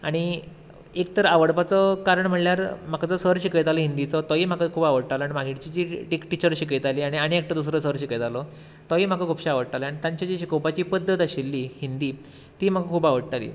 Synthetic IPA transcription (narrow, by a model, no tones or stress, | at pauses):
a̰ɽ̃i | ek̚t̪əɾaʋəɽpat͡səkaɾəɳm̤əɳljaɾm̤akat͡sɔsəɾɕikəjt̪aləɦind̪it͡sɔt̪ɔiːm̤akəkʰuːbaʋəɽt̪aləanimaɡʱiʈt͡ɕid͡ʑiːʈikʈit͡ɕəɾɕikəjt̪aliːaɽ̃iaɽ̃iek̚ʈ̪əd̪us̬ɾəsəɾɕikəjt̪alo | t̪ɔiːm̤akəkʰupɕiaʋəɽt̪aləaɽ̃it̪ãɲt͡ɕad͡ʑiɕikowpat͡ɕiːpəd̪ʱːət̪aɕilːiːhind̪iː | t̪iːm̤akəkʰuːbaʋəɽt̪alḭː